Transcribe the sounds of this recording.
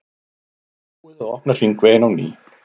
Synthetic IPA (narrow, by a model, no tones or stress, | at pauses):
wɛðaɔhpnar̥inkveːnawnḭː